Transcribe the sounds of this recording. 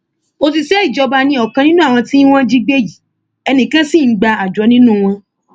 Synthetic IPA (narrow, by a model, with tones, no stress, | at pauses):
o˧t̬i˧ʃɛ˦i˦˨d͡ʒɔ˧ba˧nĩ˧˦ɔ˨kã˧nĩ˦nũ˦a˦˨w̃ɔ̃˧tĩ˦w̃ɔ̃˦d͡ʒi˦ɡ͡be˦˨ji˨˦ | ɛ˧nĩ˨kã˦sĩ˦˨n̩˦ɡ͡ba˧a˨d͡ʒɔ˨˦nĩ˦nũ˦˨w̃ɔ̃˧